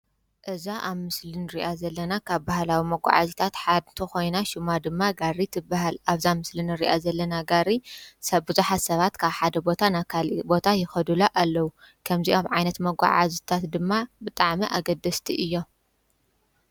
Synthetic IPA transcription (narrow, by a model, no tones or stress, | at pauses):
ʔɨzaʔaβmɨslinɨɾiʔazɐlːɐnakʰaβbahlawimɐɡʷa̰ʕa̰zit̪ʰat̪ħad̪t̪ʰɨxo̞jnaʃɪmad̪ɨmːaɡaɾit̪ʰɨbahalaβzamɨslinɨɾḭʔazɐlːɐnaɡaɾisɐbɨzuħat̪sɐβat̪kʰaβħad̪ɐbo̞t̪ʰanakʰalbo̞t̪ʰajɪxɐd̪ulaʔalːɐwu | kʰɐmziʔaβʕajnɐt̪mɐɡʷa̰ʕa̰zit̪ʰat̪d̪ɨmːabɨt̪ʼaʕmiʔaɡɐd̪ɐst̪ʰiʔɨjːo̞